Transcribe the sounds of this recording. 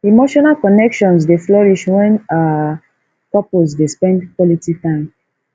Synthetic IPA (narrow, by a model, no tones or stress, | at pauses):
imoʃɔnalkɔnɛkʃɔ̃nsdeflɔɹiʃwɛ̃na | pɔpolsdespɛ̃ndkwɔlititãɪ̃m